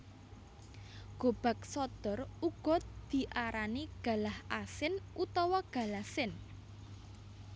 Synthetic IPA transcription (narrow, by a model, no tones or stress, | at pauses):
ɡ̥o̤b̥a̤k̚sɔd̪̥ɔruɡ̥ɔ̤d̪̥i̤ʔaɾaniɡ̥a̤lahasɪnut̪ɔwɔɡ̥ä̤lasɪn